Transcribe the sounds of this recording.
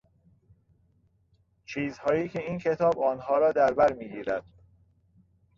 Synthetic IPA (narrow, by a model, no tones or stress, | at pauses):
t͡ʃʰiːzhɒːjiːcʰe̞iːncʰe̞t̪ʰɒːbɒːnhɒːɾɒːd̪æɾbæɾmiːɡiːɾæd̪̥̚